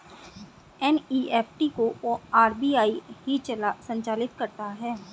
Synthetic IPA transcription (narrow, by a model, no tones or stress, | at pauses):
ɛniːɛːpʰʈikoaːɾbiːaːiɦit͡ʃːsɐ̃ɲt͡ʃaːlɪt̪kɐɾt̪aɦɛː